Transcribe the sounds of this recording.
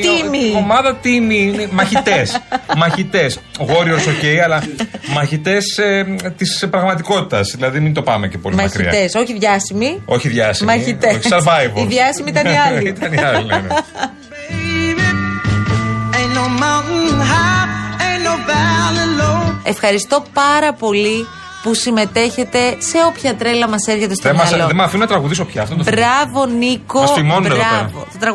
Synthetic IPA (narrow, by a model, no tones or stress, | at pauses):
imiomɐðɐt̪imiinemɐçit̪e̞smɐçit̪e̞sɣo̞ɾiosoce̞jɐlɐmɐçit̪e̞set̪ispɾɐɣmɐt̪iko̞t̪i̥t̪ɐsðilɐðimint̪o̞pɐmecepolmɐɐçkɾiḭɐ̰t̪eso̞çiðʝɐsimio̞çiðʝɐsimɐçiteoçi̥seɾvɐjviðʝɐsimiit̪ɐniɐliit̪ɐniɐli | enomaɦaenovaleloe̞fxɐɾist̪o̞pɐɾɐpo̞li | pusime̞t̪e̞çe̞t̪e̞se̞o̞pçɐt̪ɾe̞lɐmɐse̞ɾçe̞t̪est̪emmɐɐloðemɐfinɐt̪ɾɐɣuðis̬opçɐɐft̪ot̪obɾɐvo̞nikosimonɾɐvo̰t̪t̪ɾɐɣ